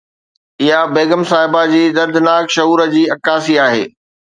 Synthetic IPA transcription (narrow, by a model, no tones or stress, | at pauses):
ɪɦabeːɡəmsaːɦɪbad͡ʑiːd̪ɐɾd̪ɪnaːkʃɐɦuːɾə̆d͡ʑiːɐkaːsiaːɦḛː